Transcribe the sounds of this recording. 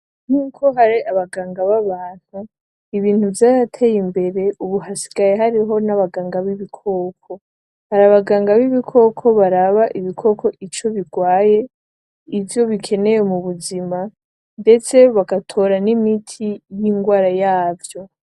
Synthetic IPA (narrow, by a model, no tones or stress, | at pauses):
n̥uːkʰo̞ɦaɾiaβaɡaːŋɡaβaβaːn̥hu | iβiːnhuvjaːɾatʰe̞jimbe̞ɾe̞ʔuβuɦasi̥ɡajeɦaɾiɦo̞naβaɡaːŋɡaβiβikʰokʰo̞ | haɾaβaɡaːŋɡaβiβikʰo̞kʰo̞βaɾaβaʔiβikʰo̞kʰo̞ʔit͡ʃo̞βiɡwaːje | ivjo̞βikʰe̞ne̞jemuβuzima | nde̞t͡se̞βaɡatʰo̞ːɾanimitʰijiŋɡwaːɾajaːvjo̞